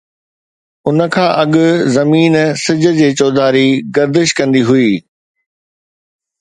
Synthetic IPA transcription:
ʊnə̆kʰãːʔɐɠʊzɐmiːnsɪd͡ʑə̆d͡ʑeːt͡ɕɔːd̪aːɾiɡɐɾd̪ɪʃkɐ̃nd̪iɦʊiː

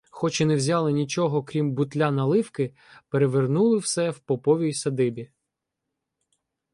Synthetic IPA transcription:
xɔt͡ʃɪnɛwzʲɑlˠɪnʲit͡ʃɔɦɔkɾʲimbʊt̪lʲanɐlˠɪwkɪ | peɾeʋernulˠɪwsɛwpɔpɔʋʲijsɐd̪ɪbʲi

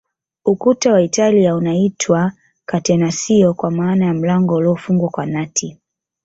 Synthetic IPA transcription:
ukutawaitaliaunaitʰwa | katɛnasiɔkwamaːnajam̩laŋɡɔlɔɔfuŋɡwakwanatʰi

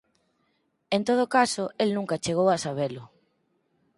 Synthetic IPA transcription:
ent̪oð̞ʊkasʊelnũŋkat͡ʃeɣ̞owasaβ̞elʊ

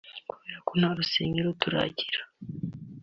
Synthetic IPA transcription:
kuβeːɾakon̥haɾuseːɲiɾotuɾa̰ːɟiɾḁ

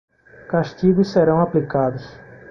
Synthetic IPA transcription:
kaʃt͡ʃiɡʊsseɾɐ̃w̃aplikad̪ʊs

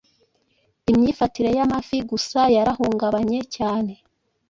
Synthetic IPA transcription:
imɲiːfatiɾe̞jamafiɡusajaɾahuːŋɡaβaɲe̞caːne̞

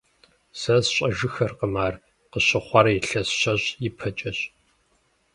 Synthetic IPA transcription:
sɐzɕʼɐʒɨxɐrqəmaːr | qəɕɪχʷɑɾɐjɪɬɐsɕɐɕjɪpʰɐt͡ʃʼɐɕ

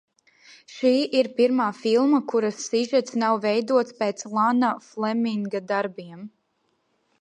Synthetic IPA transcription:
ʃiːʔiɾpiɾmaːfilˠmakuɾasːiʒɛt̪snawvɛjd̪uɔt̪speːt̪slˠanaflˠɛmiŋɡad̪aɾbiɛm

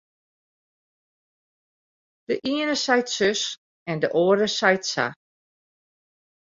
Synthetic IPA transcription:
d̥əʔiənəsɛjtsøs | ɛndəʔoːəɾəsajtsa̰

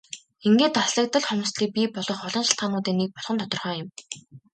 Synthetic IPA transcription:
eŋɡeːt̪ɔɮə̆k̚t̪ə̆ɮχɔm̆sɮiːk̚pʲipɔɮɞ̆χɔɮɞ̆ŋʃɪ̥̆ɬt̪χaːnʊːt̪eːnːik̚pɔɮ̥χɞ̆nt̪ʰɔt̪ɞ̆rχœːjɪ̆m

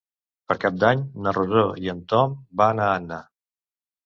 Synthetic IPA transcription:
pəɾkap̚d̪aɲnəruzoiənt̪ɔmbaːnaənːa

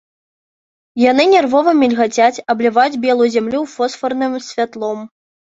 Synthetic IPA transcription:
janɨnʲɛrvɔvɐmʲilʲɣat͡sʲat͡sʲɐblʲɛvajud͡zʲbʲɛlˠujuzʲamlʲuwfɔsfɐrnɨmsʲvʲat̪lˠɔm

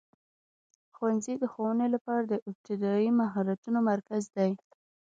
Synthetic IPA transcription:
xwanzid̪əxowənelapɑɾad̪əʔɪp̚t̪ɪd̪ɑimaɦɑɾat̪unomaɾkazd̪aj

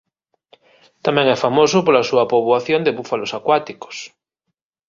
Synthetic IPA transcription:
t̪amẽŋɛfamosopoɾlasuapoβwaθjond̪eβufalosakwat̪iko̥s

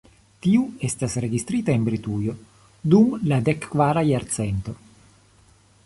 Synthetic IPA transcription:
t̪iue̞stasɾe̞ɡist̪ɾitaenbɾit̪ujo̞ | d̪umlad̪ekːvaɾajaɾt̪t͡se̞nt̪o̞

